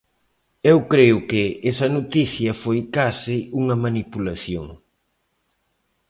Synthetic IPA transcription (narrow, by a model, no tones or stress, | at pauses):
ewkɾejʊkɪɛsɐnot̪iθjɐfojkasɪuŋɐmanipulɐθjo̰ŋ